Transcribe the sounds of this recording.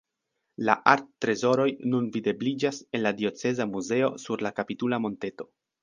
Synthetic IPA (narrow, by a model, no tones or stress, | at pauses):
la̰ʔaɾtːɾe̞zo̞ɾo̞jnunvide̞blid͡ʒase̞nladio̞t͡se̞zamuze̞o̞suɾlakapitulamo̞nte̞to̞